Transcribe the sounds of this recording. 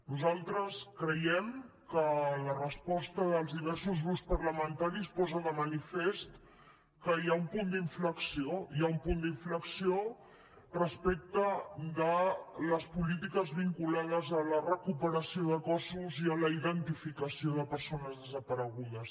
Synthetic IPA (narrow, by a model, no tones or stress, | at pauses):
nuzalˠt̪ɾəskɾəjɛm | kələrəspɔst̪əðəlˠzðiβ̞ɛɾsuzɣɾuspəɾləmənt̪aɾispɔzəðəmənifest̪ | kəjaumpund̪iɱfləksioiaumpund̪iɱfləksio | rəspek̚t̪əd̪ələspulit̪ikəzβiŋkulaðəzələrəkupəɾəsioðəkɔsuziələiðənt̪ifikəsioðəpəɾsonəzðəzəpəɾəɣuðəs